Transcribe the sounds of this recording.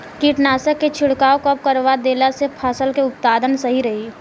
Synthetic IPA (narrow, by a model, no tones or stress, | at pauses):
kiʈnaːsəkːet͡ʃʰɪɽkaːokəp̚kəɾʋad̪eːlasepʰaːsəlkeʊppaːd̪ənsɐɦiɾɐɦiː